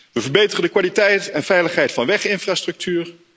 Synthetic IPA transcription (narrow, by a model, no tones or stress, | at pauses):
ʋəvəɹbejtərəndəkʋaːlitɛjtɛnvɛjləχɦɛjtfɑnʋɛχɪnfraːstrɵk̚tʰyːɹ